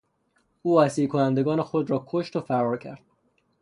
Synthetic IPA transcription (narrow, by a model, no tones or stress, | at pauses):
uːæsiːlkʰonænd̪eɡɒːne̞xod̪ɾɒːkʰoʃt̪ofæɾɒːɾcʰæ̰ɾd̪̥̚